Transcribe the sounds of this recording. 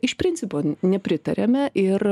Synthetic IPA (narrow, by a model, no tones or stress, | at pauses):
ɪʃpʲɾʲɪnʲsʲɪpoːnʲɛpʲɾʲɪt̪ɐ̰ɾʲemʲɛʔɪr